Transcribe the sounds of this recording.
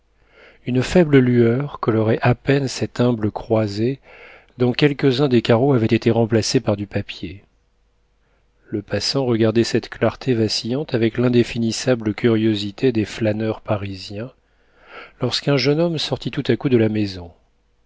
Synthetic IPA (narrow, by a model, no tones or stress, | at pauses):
ynfɛbləlyœʁkɔlɔʁɛʔapɛnsɛt̪ɛ̃bləkχwaze | d̪ɔ̃kʲɛlkəzɛ̃d̪ekaʁoavɛt̪et̪eʁɑ̃plasepaʁd̪ypapje | ləpasɑ̃ʁəɡaʁd̪ɛsɛt̪klaʁt̪ʰevasijɑ̃t̪avɛklɛ̃d̪efinisabləkʲʰyʁjozit̪ʰed̪eflanœʁpaʁizjɛ̃ | lɔʁskɛ̃ʒənɔmsɔʁt̪it̪ut̪akud̪əlamezɔ̃